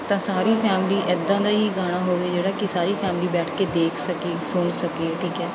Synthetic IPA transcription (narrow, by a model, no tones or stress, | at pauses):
t̪ãːsaːɾiːpʰɛːmliːʔɪd̪ːãːd̪aːiːɡaːɽ̃aːɦoːʋeːd͡ʒeːɽaːkɪsaːɾiːpʰɛːmliːbɛːʈʰkeːd̪eːkʰsəkeːsʊɳsəkeːʈʰiːkɛː